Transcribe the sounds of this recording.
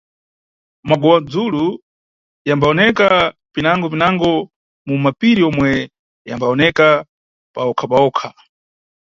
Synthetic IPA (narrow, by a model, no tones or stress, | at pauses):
maɡɔwad͡zulu | jambaɔnɛkapinaŋɡɔp̬inaŋɡɔ | mumapiɾiɔmwɛ | jambaɔnɛka | paɔkʰapaɔːkʰa